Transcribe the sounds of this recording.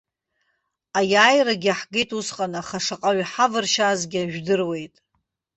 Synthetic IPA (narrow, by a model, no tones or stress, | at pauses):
ajaːjraɡʲaħɡejtʼusqʼanaχaʂaqʼaɥħavɨrʃazɡʲɪaʒᶣdɨrwe̞jtʼ